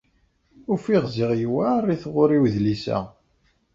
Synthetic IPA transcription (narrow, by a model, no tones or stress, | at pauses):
ʊfiʁzɪʁjwærːiθʁʊɾiwðlisæ̰